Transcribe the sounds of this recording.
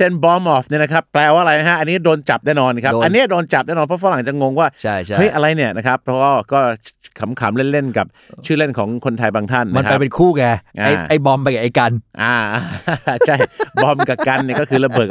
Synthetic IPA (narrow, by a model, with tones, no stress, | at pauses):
t͡ɕe˧˥˩nbɔː˧˥mʔɔː˨˩fni˥˩na˦˥kʰa˦˥pːlɛː˧waː˧ɾa˧jna˧˥ɦa˦˥ʔa˧nːiː˦˥doː˧nt͡ɕa˨˩p̚nɛː˥˩nɔː˧n˦kʰa˦˥˧ʔnːi˦˥˨doː˧nt͡ɕa˨˩p̚nɛː˥˩nɔː˧npʰɔ˦˥fa˧˦˥la˩˦ŋt͡ɕa˨˩ŋo˧ŋwaː˥˩t͡ɕʰa˥˩jt͡ɕʰahɤ˦˩˥jʔa˧ɾa˧jni˥˩ɐna˦˥kʰa˦˥pʰːɔ˦˥wɔː˥˩kɔː˥˩kʰa˩˦mkʰaː˩˦mle˥˩nle˥˩nka˨˩p̚t͡ɕʰɯː˥˩le˥˩nkʰɔː˩˦ŋkʰo˧nt̪ʰa˧jbaː˧ŋt̪ʰa˥˩nːm˦a˧kʰa˧˥jpe˧nkʰuː˥˩kɛː˧ʔa̰ː˧˥˩ʔa˥˩jbɔ˧mpa˧jka˨˩ʔa˧˩jka˧nʔaː˧˩ʔaː˧t͡ɕʰa˥˩jbɔ˧˥mka˨˩p̚ka˧nːi˥˩ɐkɔː˥˩kʰɯː˧la˧bɯ˨˩k̚